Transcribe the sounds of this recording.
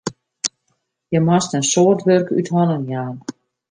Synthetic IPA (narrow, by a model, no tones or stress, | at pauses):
jɛmast̪ɛnsɔːrtʋœrky̰t̪hɔnənjaːn